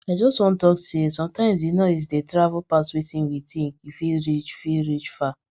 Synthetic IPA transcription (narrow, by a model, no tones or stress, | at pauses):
aɪd͡ʒɔstwɔ̃ntɔksesɔ̃mtãɪ̃ms̬inois̬detɾavupaswetĩnwitʰĩnifilɾit͡ʃfilɾit͡ʃfa